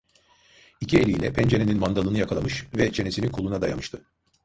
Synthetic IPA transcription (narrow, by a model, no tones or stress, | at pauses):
icʰielʲijlʲɛ̰pʰɛnd͡ʒeneninmand̪alˠɯnɯjakʰalˠamɯʃvɛt͡ʃʰe̞ne̞sinikʰolˠunad̪aja̰mɯʃt̪ʰɯ